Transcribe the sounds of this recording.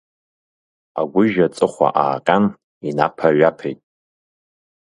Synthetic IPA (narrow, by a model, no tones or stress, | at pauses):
a̰ɡʷʊʒat͡sʼɨχʷa̰ʔaːqʲʼan | inapʰaɥapʰejtʼ